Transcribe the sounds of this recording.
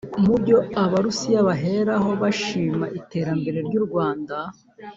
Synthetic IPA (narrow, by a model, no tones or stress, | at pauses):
mubjo̞aβaɾusijaβaɦe̞ɾaɦo̞βaʃiːmaʔite̞ːɾambe̞ɾe̞ɾɟuːɾɡwaːnda